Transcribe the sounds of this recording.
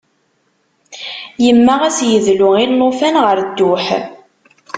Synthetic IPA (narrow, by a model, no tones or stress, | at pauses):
jəmːaʁæsjəðlʊilːofænʁəɾd̪ːʊħ